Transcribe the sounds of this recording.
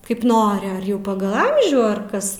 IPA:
kɐɪp ˈnoːrʲɪ ɐr ˈjɛʊ ˈpɑːɡɐlˠ ˈɐmʲʒʲuː ɐr ˈkɐs

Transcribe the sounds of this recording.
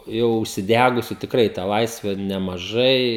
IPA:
ˈjɛʊ ʊʃʲsʲɪˈdʲæːɡʊsʲʊ tʲɪkˈrɐɪ tɑː ˈlˠɐɪsʲʋʲɛ nʲɛmɐˈʒɐɪ

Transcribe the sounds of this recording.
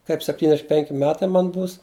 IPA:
ˈkɐɪp sʲɛpʲtʲiːnʲˈdʲæːʃʲɪm ˈpʲɛŋʲkʲɪ ˈmʲæːtɐɪ ˈmɐn ˈbuːs

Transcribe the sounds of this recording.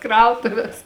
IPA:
ˈkrɐʊtʊʋʲeːs

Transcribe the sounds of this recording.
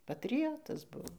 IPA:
pɐtʲrʲɪˈjoːtɐs ˈbʊʋoː

